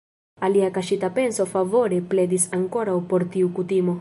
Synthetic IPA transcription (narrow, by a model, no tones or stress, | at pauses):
aliakaʃit̪ape̞nso̞favo̞ɾepled̪isaŋko̞ɾawpo̞ɾt̪iukut̪imo̞